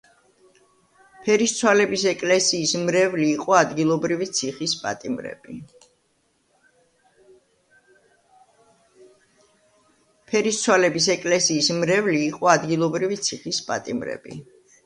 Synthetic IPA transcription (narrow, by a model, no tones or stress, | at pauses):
pʰɛɾist̪sʰwalɛbisɛkʼlɛsiːsmɾɛvliːqʼɔad̪ɡilˠɔbɾivit̪sʰiχispʼa̰t̪ʼimɾɛ̰b̥i | pʰɛɾist̪sʰwalɛbis̬ɛkʼlɛsiːsmɾɛvliːqʼɔad̪ɡilˠɔbɾivit̪sʰiχispʼa̰t̪ʼimɾɛ̰bḭ